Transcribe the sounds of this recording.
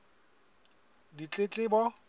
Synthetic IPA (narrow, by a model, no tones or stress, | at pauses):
dit͡ɬʼet͡ɬʼɪbɔ